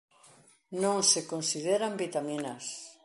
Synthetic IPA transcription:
nõŋsekonsiðeɾambit̪aminas

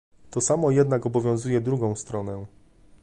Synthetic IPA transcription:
t̪ɔsamɔjɛd̪nakɔbɔvʲjɔ̃w̃zujɛd̪ɾuɡɔ̃w̃st̪ɾɔnɛ

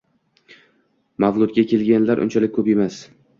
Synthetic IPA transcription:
mavlˠʊt̪̚ɡʲakʲʰe̞lɡʲanlaɾʔʊ̰nt͡ʃʰalɪkʲkʰːɵpe̞mas

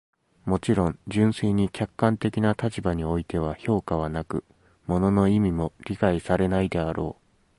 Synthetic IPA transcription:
mo̞t͡ɕiɾõ̞ɲd͡ʑɨ̃ɰ̃seːɲ̟ikʲakːãnt̪e̞kʲinat̪at͡ɕibaɲ̟io̞it̪e̞β̞aço̞ːkaβ̞anakɯ̟̰ | mo̞no̞no̞imʲimo̞ɾʲikaisaɾe̞naid̪e̞aɾʔo̞̰ː

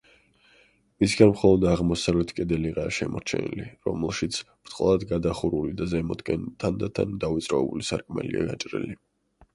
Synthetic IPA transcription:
misɡanmχɔlˠɔd̪aʁmɔsavlɛt̪ʰkʼɛd̪ɛliʁaːʃɛmɔɾt͡ʃʰɛ̰nḭliɾɔmɛlˠʃit̪sʰb̥ɾt̪ʼqʼlˠad̪ɡad̪aχuɾulid̪azɛmɔd̪ɡɛnt̪ʰand̪at̪ʰa̰nd̪avit̪sʼɾaɛbulisaɾkʼmɛ̰lia̰ɡat͡ʃʼɾḭli

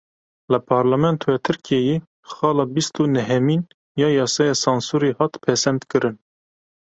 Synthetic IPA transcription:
ləpʰɑːɾlɑmɛnt̪ʰowɛt̪ʰɨɾkʰijɛjeː | xɑːlɑːbist̪unɛɦɛmin | jɑːjɑːsɑːjɑsɑnsuɾihɑt̪pʰɛsɛnd̪kɨɾʔɨn

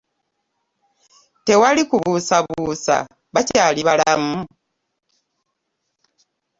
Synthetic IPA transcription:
te̞walikuβusaβusa̰ | βacaːliβalamu

